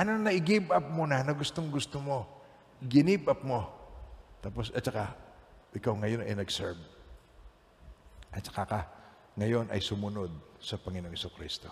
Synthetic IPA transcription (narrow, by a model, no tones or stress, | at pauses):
ʔɐnonɐʔɪɡibʔɐp̚monanɐɡʊst̪o̞ŋɡʊst̪omo̞ | ɡɪnibʔɐp̚mo̞ | t̪aːpo̞sʔɐt̪̚t͡ʃɐkaʔɪkawŋɐjo̞nɐjnɐɡsɛɹb | ʔɐt̪̚t͡ʃɐ̥kaka | ŋɐjo̞nʔɐ̰jsʊmʊno̞d̪̚sɐpɐŋɪno̞ŋhɪsukɾist̪o̞